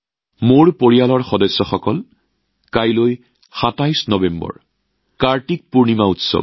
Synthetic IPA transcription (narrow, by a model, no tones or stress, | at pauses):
moɹpoɹialɔɹxɔdɔsːɔxɔkɔl | kajloj | xatajsnɔbembɔ̰ɹ | kaɹtik̚puɹnimautsɔ̰b̚